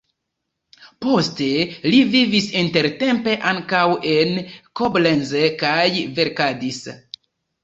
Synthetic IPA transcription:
po̞ste̞livivisinte̞ɾte̞mpe̞ʔaŋkawe̞nkoblenzekajve̞ɾkadis

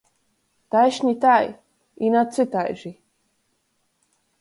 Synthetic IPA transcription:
t̪ajʃɲit̪aj | inat͡sɨt̪ajʒi

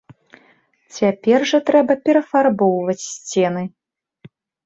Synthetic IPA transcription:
t͡sʲapʲɛrʐɐt̪ɾɛbɐpʲɛɾɐfarbɔwvɐt͡sʲsʲt͡sʲɛnɨ

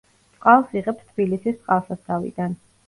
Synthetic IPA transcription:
sʼqʼalˠsiʁɛpst̪ʰbilisist̪ʼqʼalˠsast̪ʰavḭd̪an

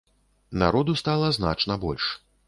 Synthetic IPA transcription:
na̰ɾɔd̪ust̪alˠɐzna̰t͡ʂnɐbɔlʲʂ

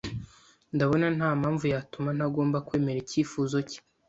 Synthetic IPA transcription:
ndaβo̞nanhaːmaːɱvujatuman̥aɡo̞ːmbakwe̞ːme̞ɾiciːfuːzo̞ci̥

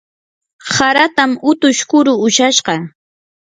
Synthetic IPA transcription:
haɾat̪amʊt̪ʊʃkʊɾʊʊʃaʃɢɑ

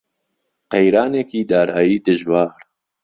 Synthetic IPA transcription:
qejɾaːneːkiːd̪aːɾaːjiːd̪ɨʒwaːɾ

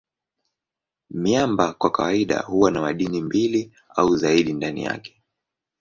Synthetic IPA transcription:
miambakwakawaiɗa̰huwanamaɗinimbili | auzaiɗindanḭja̰kɛ̥

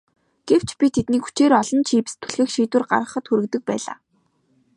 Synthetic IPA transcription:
ɡ̥ew̥t͡ɕpʲit̪ʰet̪niːkxu̥t͡ɕeːɾɔɮɞ̆nt͡ɕʰiːpɘ̥̆st̪ʰɵ̥ɮxɘ̆xʃiːt̪wɘ̆rɢa̰rʁə̆χə̆t̪xuɾɘ̆kt̪ɘ̆k̚pæ̰ːɮa̰ː

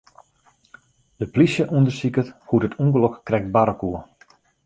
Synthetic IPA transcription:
dəplisjəʔuəndərsikəthutətʰuŋɡəlokːrɛk̚t̚baɾəkuə

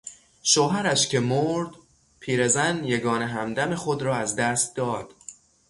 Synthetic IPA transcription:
ʃoːɦæɾæʃcʰe̞moɾd̪̥ | pʰiːɾe̞zænjeɡɒːneɦæmd̪æme̞xod̪ɾɒːæzd̪æst̪̚d̪ɒːd̪̥

